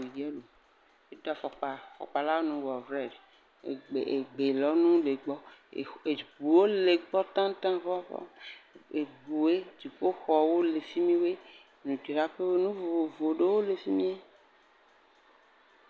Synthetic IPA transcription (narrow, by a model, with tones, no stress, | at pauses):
i˨d͡ʒɛ˦lo˨ | e˦d̪ɔ˨fɔ˨k͡pa˨fɔ̰˨k͡pa˨la˦wo˦nũ˦wɔ˨vɾɛ˨ɖe˨ | e˨e˨ɡ͡be˨lɔ˦nũ˦le˨ɡ͡bɔ˦˨e˨bu˨wo˦le˨ɡ͡bɔ˦t̪ã˦t̪ã˦vɔ˦vɔ̰˦e˨ɡ͡bu˨e˦d͡ʒi˨k͡po˦xɔ˨wo˦le˨fi˦mĩ˦we˦ | nũ˨t͡ʃe˨ɾa˦ɸe˦we˦nũ˦vo˨vo˨ɖe˦wo˦le˨fi˦mĩ˦e˦